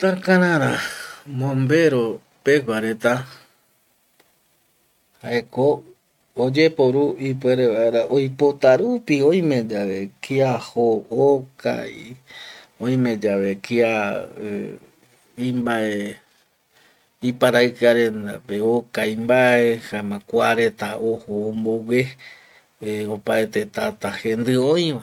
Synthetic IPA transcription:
t̪akaɾãɾãmõmbe̞ɾo | peɡʷaɾe̞t̪a | haekoː | d͡ʒe̞poɾuip̬we̞ɾe̞βaeɾaʔojpot̪aɾupiõj̃mẽ̞d͡ʒaʋe̞kiahooka̰j | õj̃mẽ̞d͡ʒaβe̞kia | ĩmbaee | ipaɾaɨkaɾe̞nd̪a̰peokajmbaehamãkʷaɾe̞t̪aohoːmbowe | eopaet̪et̪at̪ahẽ̞nd̪ɨoj̃ʋa

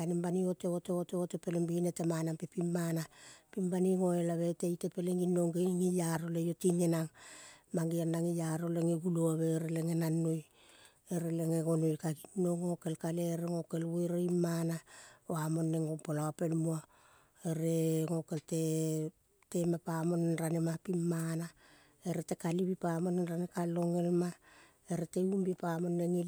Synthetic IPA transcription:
animbanio̞teo̞teo̞teote̞pe̞lembinetemanampepimːanapimbaniŋo̞elaβe̞tejte̞pe̞leŋinːoŋɡeŋijaɾo̞lejotiŋenaŋmaŋɡianːaŋijaɾo̞le̞ŋeɡuloaβe̞ɾele̞ŋe̞nanːoj | eɾeleŋeɡo̞nojkaɡinːo̞ŋːoke̞lkaleɾeŋo̞kelβojɾeimːanaoamo̞nːe̞ŋopolaape̞lmua | eɾeŋo̞ke̞lte̞ | te̞mapamo̞nenɾanemapimːana | eɾete̞kaliβipamo̞nenɾanekalːo̞ŋe̞lma | eɾete̞umbipamo̞nːeŋi

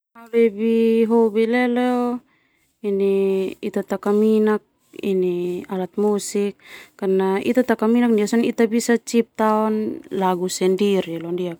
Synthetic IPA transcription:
abɛbiɦɔbilɛlɛɔ | iniit̪at̪akaminak̚ | ḭnialat̪̚musikːarnaḭt̪at̪akaminak̚ndiasɔnit̪abisat͡ʃip̚t̪aɔnlaɡusɛndiɾilɔndiak̚

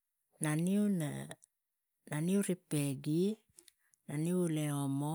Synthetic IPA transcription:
naniuna̰ | naniuɾipeɡi | naniuleomo

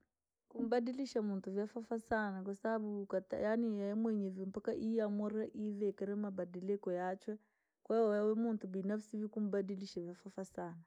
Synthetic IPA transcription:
kum̩baɗiliʃamuntuvjafafasanak̬wasabaɓukata̰janijajamwɛɲɛvim̩pakaʔiamɔɾaʔiðɛkaɾɛmabadɛlɛkɔjat͡ʃwɛ | kwaɔjawɛmuntubinafsivikum̩badiliʃavjafafasana

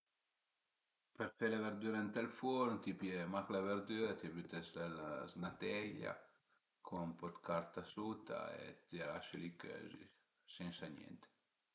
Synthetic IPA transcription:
peɾfelaveɾd̪yɾant̪elfɔnt̪ipjemaklaveɾd̪yɾat̪iaβyt̪ɛselaznat̪ɛʎa̰ | kʰompɔt̪kaɾt̪asut̪a̰ḛt̪iɾaʃelikø̰zḭ | sɛnsanjɛ̰nt̪e̥

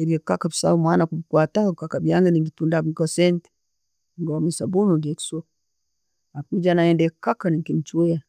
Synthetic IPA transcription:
eɾiekakabi̥sa̰umwanakuikwatakakabiaŋɡenibitundaikosɛnti̥ | ŋɡomisabunudieki̥so | akid͡ʒanaendekakaniŋkin̩it͡ʃuea

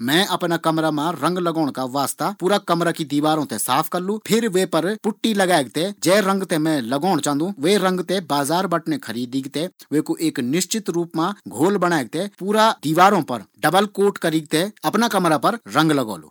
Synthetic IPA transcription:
mɛ̃ːɐpnaːkɐmɾamãɾɐ̃ŋɡlɐɡɔːɽ̃kaʋaːst̪apuːɾakɐmɾakid̪iːʋaːɾõːt̪ɛ̃saːpʰkɐɾlũpʰɪɾʋeːpɐɾpʊʈːilɐɡaːeɡ̚t̪ed͡ʒɛːɾɐ̃ŋɡt̪ɛmɛ̃lɐɡaːɽ̃t͡ʃãːnd̪ũʋeːɾɐ̃ŋɡt̪ɛbaːzaːɾbɐʈnekʰɐɾiːd̪iːɡt̪ɛʋeːkoʔeːknɪʃt͡ʃɪt̪ɾuːpmãɡʱoːlbɐɽ̃aːeɡ̚t̪epuːɾad̪iːʋaːɾõːpɐɾɖɐbəlkoːʈkɐɾiːɡ̚t̪eɐpnakɐmɾapɐɾɾɐ̃ŋɡlɐɡo̰ːlṵː

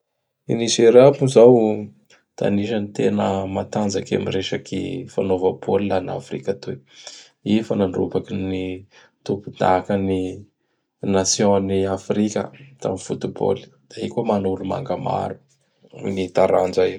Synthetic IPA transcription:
iniseɾapuzaw | t̪ʰa̰niʃanit̪enəmat̪and͡zaka̰mireʃakḭfanovabolilana̰fɾikat̪u | ifanaɳɖ͡ʐubakini | t̪upud̪̥akəni | nasjõniafɾikʲə̰t̪a̰mifut̪ubo̰li̥d̪̥aikomanuluma̰ŋɡama̰ɾu̥ | nit̪aɾand͡ʒa

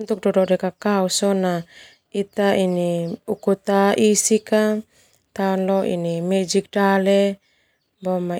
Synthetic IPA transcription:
nt̪uk̚dɔdɔdɛkakausona | it̪ainiukut̪aʔisika | t̪aɔnlɔʔḭnimɛd͡ʒik̚dale | bɔma

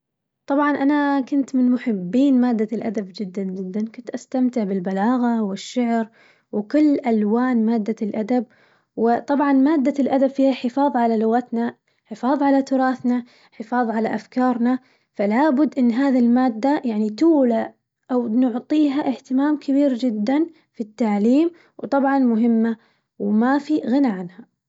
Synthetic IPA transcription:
t̪ˤɑbʕɑnʔanakʊnt̪mɪnmʊħɪbːiːnmaːd̪ːalʔa̰d̪abd͡ʒɪd̪ːand͡ʒɪd̪ːankʊnt̪ʔast̪amt̪ɪʕbɪlbalaːɣawɪʃːaʕɾ | wkʊlːʔalwaːnmaːd̪ːalʔad̪ab̚ | wɪt̪ˤɑbʕɑnmaːd̪ːalʔad̪abfiːhaħɪfɑːðˤʕalalʊɣat̪na | ħɪfɑːðˤʕalat̪ʊɾˤɑːθna | ħɪfɑːðˤʕalaʔafkɑːɾˤna | falaːbʊd̪ːʔɪnːɦaːðilmaːd̪ːajaʕnit̪uːla | ʔawnʊʕt̪ˤiːɦaʔɪht̪ɪmaːmkʰɪbiːɾd͡ʒɪd̪ːan | fit̪ːaʕliːm | wt̪ˤɑbʕɑnmʊɦɪmːa | wmafiɣɪnaʕanha

